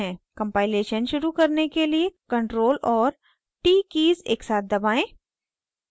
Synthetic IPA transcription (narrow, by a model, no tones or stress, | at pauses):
ɛ̃ːkɐ̃mpaːɪleːʃənʃʊɾukɐɾnekeliekɐ̃ɳʈɾoːlɔːɾ | ʈiːkiːzḛːksaːt̪̚d̪ɐbaːẽː